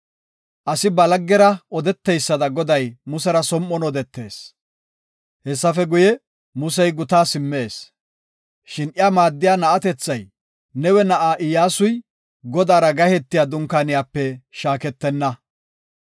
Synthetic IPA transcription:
ʔɐsɪbɐlɐɡːɛɾɐʔɔd̪ɛt̪ːɛjsːɐd̪ɐɡɔd̪ɐjmʊsɛɾɐsɔmːɔnɔd̪ɛt̪ːe̞ːs | hɛsːɐfɛɡʊjɛ | mʊsɛjɡʊt̪aːsɪmːe̞ːs | ʃɪnʔɪaːmaːd̪ːɪjaːnɐʔɐt̪ɛt͡sːɐj | nɛwɛnɐʔaːʔɪjaːsʊj | ɡɔd̪aːɾɐɡɐhɛt̪ːɪjaːd̪ʊŋkaːnɪjaːpːɛʃaːkɛt̪ːɛnːɐ

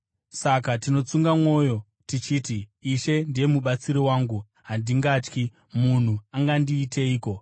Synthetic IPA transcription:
sakatino̞t͡suŋɡamwo̞ːjo̞ | tit͡ʃiːtiːʃe̞ndije̞muɓat͡siɾiwaːŋɡu | ɦandiŋɡaːt͡ʃki | mun̤uaŋɡandiːte̞iːko̞

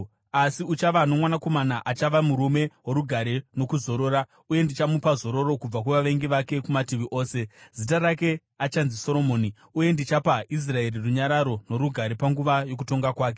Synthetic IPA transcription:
asiut͡ʃaʋano̞mwanako̞manaʔat͡ʃaʋamuɾume̞woɾuɡʱaɾe̞no̞kuzo̞ɾo̞ːɾa | uje̞ndit͡ʃamupazo̞ɾo̞ɾo̞kub͡vakuʋaʋe̞ŋɡiʋake̞kumatiʋiʔo̞ːse̞z̥it̬aɾake̞ | at͡ʃanziso̞ɾo̞mo̞ːni | uje̞ndit͡ʃapaʔis̬rae̞ɾiruɲaɾaɾo̞no̞ɾuɡʱaɾepaŋɡuʋajo̞k̬uto̞ŋɡakwaːk̬e̞̥

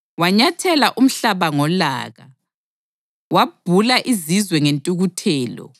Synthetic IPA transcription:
waɲatʰɛlaʔum̩ɬaβaŋɔla̰ːɣa̰ | wab̥ʱulaʔizizwɛŋentʼuɣutʰɛːlɔ̰

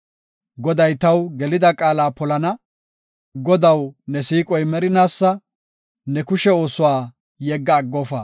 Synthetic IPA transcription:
ɡɔd̪ɐjt̪ɐwɡɛlɪd̪ɐkʼaːlaːpɔlɐnɐ | ɡɔd̪ɐwnɛsiːkʼɔjmɛɾɪnaːsːɐ | nɛkʊʃɛo̞ːsʊwaː | jɛɡːɐːɡːɔːfɐ̰

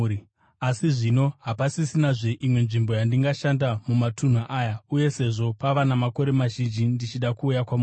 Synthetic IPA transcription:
asiʐino̞ɦapasisinaʐe̞ʔimwe̞nʐimbo̞jandiŋɡaʃandamumatun̤uʔajauje̞se̞ʐo̞paʋanamako̞ɾe̞maʒind͡ʒindit͡ʃiɗakuːjakwamuː

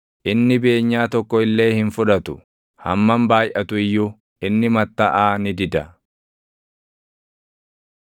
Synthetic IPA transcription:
ʔɪnːɪbe̞ːɲːaːt̪ɔkːɔɪlːe̞ːhɪnfʊᶑɐt̪ʊ | hɐmːɐmbaːjʔɐt̪ʊɪjːʊ | ʔɪnːɪmɐt̪ːɐʔaːnɪd̪ɪd̪ɐ

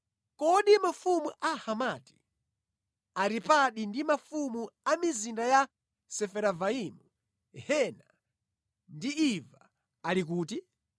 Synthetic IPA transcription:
kɔɗimafumuʔahamati̥ | aɾipaɗindimafumuamizindaja | sɛfɛɾavaimu | hɛna | ndiiva | alik̬uːti

